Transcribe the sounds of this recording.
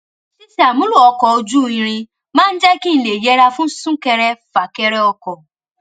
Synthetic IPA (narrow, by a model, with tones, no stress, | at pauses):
si˦si˦a˨mũ˦lu˦˨ɔ˧kɔ˨o˧d͡ʒu˦˨ĩ˧ɾ̃ĩ˧ | mãː˦n̩˦d͡ʒɛ˦ki˦n̩˨le˨jɛ˨˦ɾa˧fũ˦sũ˦kɛ˧ɾɛ˧fa˨kɛ˧ɾɛ˦ɔ˧kɔ˨